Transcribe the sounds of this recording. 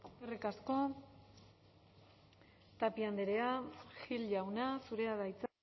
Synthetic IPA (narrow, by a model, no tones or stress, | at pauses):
erekasko̞ | t̪apiand̪eɾeaxilʎawnasuɾe̞aðajt͡s